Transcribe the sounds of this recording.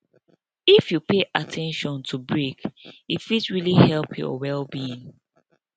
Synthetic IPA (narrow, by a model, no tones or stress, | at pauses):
ifjupʰeʔatʰɛ̃nʃɔ̃ntʰubɹikitfitɹilihɛlˠpʰjɔ̰wɛlbiĩŋ